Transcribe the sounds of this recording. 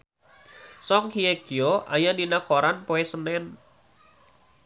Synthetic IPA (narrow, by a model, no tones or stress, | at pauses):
sɔŋhieɡ̥ioʔa̰jadinakoɾanpoɛsənɛn